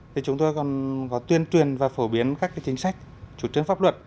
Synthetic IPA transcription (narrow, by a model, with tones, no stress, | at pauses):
t̪ʰi˨˩t͡ɕʊ˨˦ŋ͡mt̪o˧jkɔ˨˩nkɔ˨˦t̪wi˧ənt͡ɕwi˨˩ənvaː˨˩fo˧˩ɓi˨˦ənkaː˦˥kːaː˨˦t͡ɕï˨˦ŋ̟sa˦˥jk̟̚t͡ɕu˧˩t͡ɕɨ˧˥əŋfaː˦˥p̚lwə̰˨t̚